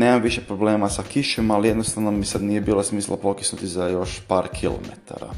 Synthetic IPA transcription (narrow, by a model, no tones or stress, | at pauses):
neːmamʋiʃepɾobleːmasakiʃomalijed̪nost̪aʋnomisad̪nijebiːlosmiːslˠapokit̪snut̪izajo̞ʃpaːɾkʰilo̰mḛt̪ʰa̰ɾa̰